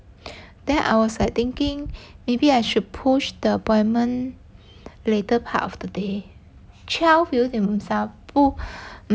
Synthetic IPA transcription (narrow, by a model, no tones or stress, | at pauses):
d̥ɛ̃nʔa̰jwɔslat̪ɪ̃ŋkɪ̃ŋmebiajʃud̚pʰuʃd̥əəpɔ̃ɪ̃nmə̃n | letəpʰa̰tɔfd̥əde | t͡ʃʰɛlfidɛ̃mmsapu